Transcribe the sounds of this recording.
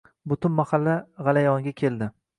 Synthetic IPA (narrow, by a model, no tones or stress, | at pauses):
bʊt̪ʰʊnmahalːaʁɑlajɒŋɡʲakʲʰe̞ld̪ɪ